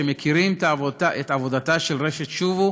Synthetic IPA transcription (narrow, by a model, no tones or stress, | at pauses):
emekʰiʁimt̪avotaʔet̪avo̞d̪at̪aʃelʁeʃet̪ʃuvu